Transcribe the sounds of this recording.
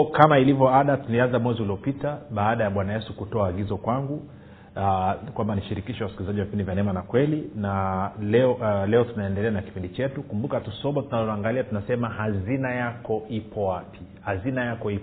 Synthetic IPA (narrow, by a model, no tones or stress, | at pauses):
kamailivjɔaɗatulianzamwɛziuliɔpitaɓaːɗajaɓwanajɛsukutɔaːɡizɔkwaŋɡu | kwambaniʃiɾikiʃɛwasikilizaʄiwavipindivjanɛmanakwɛlinalɛɔlɛɔtunaɛndɛlɛanaki̥pindit͡ʃɛtukumbukatusɔɓɔtunalɔaŋɡaliatunasɛmahazinajakɔipʰɔwapʰi̥hazinajakɔi